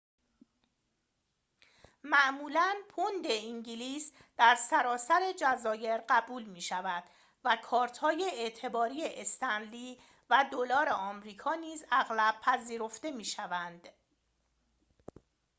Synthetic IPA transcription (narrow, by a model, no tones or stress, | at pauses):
mæʔmuːlænpʰond̪e̞iɲɟiliːsd̪̥æɾsæɾɒːsæɾe̞d͡ʒæzɒːje̞ɾɢæbuːlmiːʃævæd̪̥ | vækʰɒːɾt̪ʰhɒːje̞eʔt̪ʰe̞bɒːɾiːjeʔest̪ʰænliː | væd̪olɒːɾe̞ɒːmɾiːkʰɒːniːzæɣlæb̥̚pʰæziːɾo̞ft̪e̞miːʃævænd̪̥